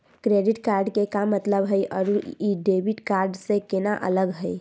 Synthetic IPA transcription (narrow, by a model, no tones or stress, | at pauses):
kɾeɖɪʈkaːɾɖkekamət̪ləbɦəjʔɔːɾuiɖeːʋiʈkaːɾɖsekenaʔə̰ləɡɦəi